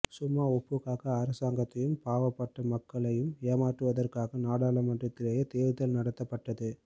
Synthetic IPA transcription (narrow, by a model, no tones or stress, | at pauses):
sʊmːaːɔpːɯɣaːɣɐːɾɐsaːŋɡɐt̪ːɐjɯmpaːʋɐpːɐʈːɐmɐkːɐɭɐjɯmeːmaːʈrɯʋɐðɐrkaːɣɐnaːɽaːɭɐmɐndrɐt̪ːɪlɐjɐt̪eːʋɯðɐlnɐɽɐt̪ːɐpːɐʈːɐðɯ